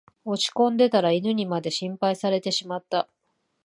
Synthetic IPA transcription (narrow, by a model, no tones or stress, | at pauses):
o̞t͡ɕi̥kõ̞nd̪e̞t̪aɾainɯ̟ɲ̟imad̪e̞ɕĩmpaisaɾe̞t̪e̞ɕimat̪ːa